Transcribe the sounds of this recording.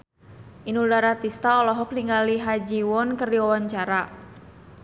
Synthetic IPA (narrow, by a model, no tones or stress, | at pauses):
ʔinudaɾat̪ist̪aɔlɔɦɔk̚liŋɡaliɦad͡ʒiwɔnkərdiwawaɲt͡ʃaɾa